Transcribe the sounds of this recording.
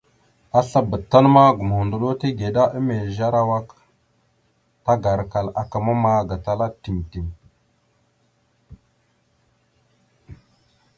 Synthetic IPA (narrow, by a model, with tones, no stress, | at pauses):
a˦ɬa˦bə˨tːa˦nma˦ɡu˨m˨hu˨ndu˨lo˦ti˦ɡe˨da˦ʔi˦me˨lʒa˦ɾa˦wa˦k | ta˦ɡa˨ɾka˨la˨ka˨ma˦ma˦ɡa˨ta˦la˦ti˨nti˨m